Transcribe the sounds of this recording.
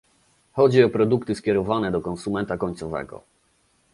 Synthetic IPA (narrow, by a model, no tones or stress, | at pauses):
xɔd͡ʑiɔpɾɔd̪ukt̪ɘskʲjɛɾɔvanɛd̪ɔkɔnsumɛnt̪akɔɲt̪sɔvɛ̰ɡɔ̰